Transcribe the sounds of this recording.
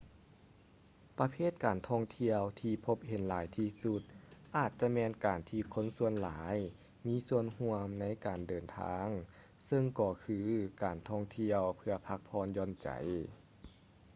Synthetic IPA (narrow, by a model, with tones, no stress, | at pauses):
pa˧pʰeː˥˩t̪̚kaː˨˩nt̪ʰɔː˧˩ŋt̪ʰi˧əwt̪ʰiː˧pʰo˧˥p̚he˨˦nlaː˨˦jt̪ʰiː˧su˧t̪̚ʔaː˨˩t̪̚t͡ɕa˧mɛː˧nkaː˨˩nt̪ʰiː˧kʰo˧˥nsu˧ənlaː˩˨˦j | miː˧˥su˧ənhu˧əmna˧˥jkaː˨˩ndɤː˨˩nt̪ʰa̰ː˧˥ŋ | sɤ˧ŋkɔː˧˩kʰɯː˧kaː˨˩nt̪ʰɔː˧˩ŋt̪ʰi˧əwpʰɯ˧ɐpʰa˧˥k̚pʰɔː˧˥njɔː˧˥nt͡ɕa̰˨˩j